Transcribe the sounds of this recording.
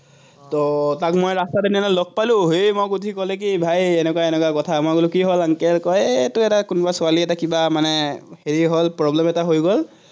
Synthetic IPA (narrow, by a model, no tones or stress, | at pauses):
tɔtakmojɹastadenianalɔk̚palʊ̃ɦejmojkutikɔlek̬ibʱajenɛkwaɛnɛkwakɔtʰamaɡolukiɦolaŋkelkɔjtʊɛtakʊnɔbasʊaliɛtakibamanɛheɹiɦɔlpɹɔblɛmɛtaɦojɡɔl